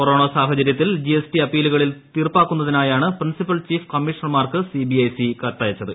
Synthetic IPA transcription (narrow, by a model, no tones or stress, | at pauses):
koroːɳɐsaːɦɐt͡ɕɐɾjɐt̪̬ːild͡ʑiesʈiɐpːiːluɣɐɭilt̪irpːaːkːunːɐðinaːjaːɳɨprinsipɐlt͡ɕiːfkɐmːiʂɐnmaːrkɨsibiɐjsikɐɾt̪ːaːjɐt͡ɕːɐðɨ